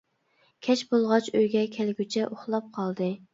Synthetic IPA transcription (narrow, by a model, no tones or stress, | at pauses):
kʲʰɛt͡ʃbolˠʁɑt͡ʃøjɡʲɛkʲʰɛlɡʲyt͡ʃʰɛʔoχlˠɑp̚qʰɑlˠd̪ɨ